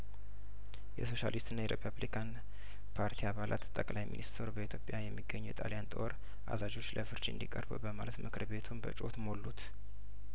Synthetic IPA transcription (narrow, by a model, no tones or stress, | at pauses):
jɛso̞ʃa̰list̪ɨnːajɛɾʔepʰaβlikʰan | pʰaɾt̪ʰiaβalʔa̰t̪t̪ʼːəkʼlajmḭnʔist̪ʰəɾubəit̪ʰjo̞pʼjajɛmːiɡːəɲːɛjɛt̪ʼaljant̪ʼo̞ɾ | ʔa̰zad͡ʒo̞t͡ʃːləfɨɾt͡ʃɨ̰nd̪ikʼəɾbɨ̰bəmalət̪mɨkʰɨɾbe̞t̪ʰumbət͡ʃʼo̞t̪molːut̪